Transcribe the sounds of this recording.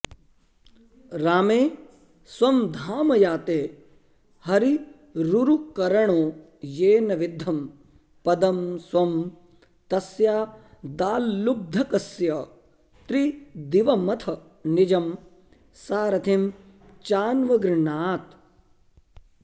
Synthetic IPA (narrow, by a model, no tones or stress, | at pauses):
ɾaːmeː | swɐmd̪ʱaːmɐjaːt̪eː | hɐɾi | ɾuɾukɐɾɐɳoː | jeːnɐʋid̪ʱːɐm | pɐd̪ɐmswɐm | t̪ɐsjaːd̪aːlːub̚d̪ʱɐkɐsjɐ | t̪ɾid̪iʋɐmɐt̪ʰɐ | nid͡ʒɐm | saːɾɐt̪ʰim | t͡ʃaːnʋɐɡɾɪɳaːt̪